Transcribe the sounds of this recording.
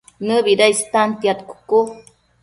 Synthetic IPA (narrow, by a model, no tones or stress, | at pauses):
nɨbiɾajst̪ant̪jat̪ku̥ku